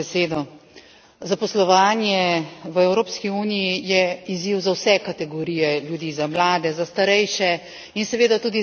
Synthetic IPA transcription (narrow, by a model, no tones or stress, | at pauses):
seːd̪ɔ | zapɔslɔʋaːnjɛʋəɛwɾoːpskiuːnijijɛiziwzawsɛkat̪ɛɡɔɾiːjɛljud̪iːzamlaːd̪ɛzast̪aɾɛjʃɛ | insɛʋeːd̪at̪uːd̪i